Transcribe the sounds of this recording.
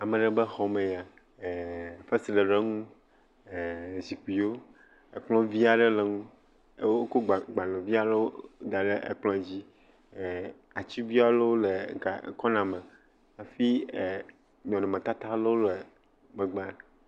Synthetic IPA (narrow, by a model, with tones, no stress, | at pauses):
a˨mɛ̃˨ɖɛ˨bɛ˦xɔ˨mẽ˨ja˨ | fɛ˦si˨lɛ˨ɖe˦ŋũ˦˨ | zi˨k͡pi˨o˦ | e˨k͡plɔ̃˦vi˦a˨ɖɛ˦lɛ˨ŋũ˦ | wo˦ko˦ɡ͡bɡ͡ba˨lɔ̃˨vi˦a˨lo˦o˦d̪a˨ɖe˦ʔḛ˨k͡plɔ̃˦˨d͡ʑi˦˨ | a˨t͡ɕi˦bi˦a˦lo˦wle˨ka̰˨˦kɔ˦nã˨mɛ̃˨ | a˨fi˦˨ | ɲɔ̃˨nɔ̃˨mẽ˨t̪a˦t̪a˦lo˦wo˦le˨ | mɛ̃˨ɡ͡ba˦